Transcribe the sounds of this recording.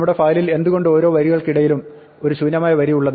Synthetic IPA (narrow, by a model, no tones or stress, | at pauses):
mːuɽe̞fɐːjlile̞nd̪uɣo̞ɳɖɨo̞ːɾo̞ːʋɐɾiɣɐɭkiɽɐjilum | o̞ɾuɕuːnːɐmaːjɐʋɐɾijuɭːɐn